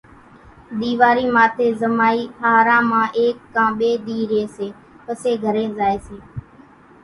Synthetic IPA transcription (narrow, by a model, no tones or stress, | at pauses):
ɗ̪iːʋaːɾiːmaːt̪ʰeːzəmaːiːhaːɾãːmãːʔeːkːãːɓeːɗ̪iːɾeːseː | pəseːɡʱəɾẽːzaːeːseː